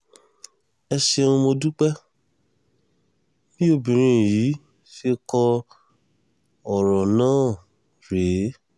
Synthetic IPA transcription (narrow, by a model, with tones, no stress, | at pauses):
ɛ˧ʃe˧ũ˧mo˧du˦k͡pɛ˦ | bĩ˦o˦˨bĩ˨ɾ̃ĩ˧˦˨ji˨˦ | fe˧˦kɔ˧ | ɔ˨ɾɔ˨nãː˦˨ | ɾe˨˦